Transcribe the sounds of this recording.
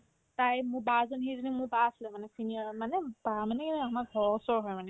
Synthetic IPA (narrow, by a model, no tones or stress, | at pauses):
t̪ajmũbazɔnɦizinimũbaslɛmanesinimanebamaneamabʱɔsɔɦɔjmane